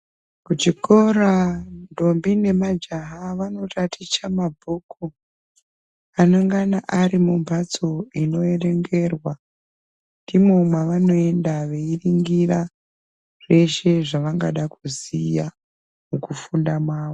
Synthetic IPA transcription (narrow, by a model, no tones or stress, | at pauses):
kut͡ʃiko̞rando̞mbine̞mad͡ʒaɦaʋano̞tatʰit͡ʃamabʱuku | ano̞ŋɡanaʔaɾimumbʱat͡so̞ino̞e̞re̞ŋɡe̞rwa | ndimomwaʋano̞e̞ndaʋe̞iriŋɡira | ʐ̥e̞ʃe̞ʐaʋaŋɡa̰ɗakuzija | mukufundamaːʋo